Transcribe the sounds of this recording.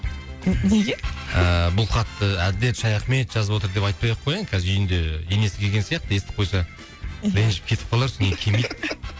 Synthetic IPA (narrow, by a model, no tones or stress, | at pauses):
neɡʲeəbʊlˠχɑt̪ːəæd̪ɪle̞t̪ʃɑjɑχme̞t̪ʒɑzəpwo̞t̪̬əɾd̪e̞pɑjt̪̚pɑjɑqʰːojɑŋkʲʰæzɪɾʏjɪnd̪eene̞sɪkʲʰeɡʲe̞nsijɑqt̪əest̪ɪ̥p̚qʰo̞jsɑ | ɾenʒɪp̚kʲʰe̞t̪ɪ̥pqʰɑlˠɑɾsɪnekʲʰemejd̪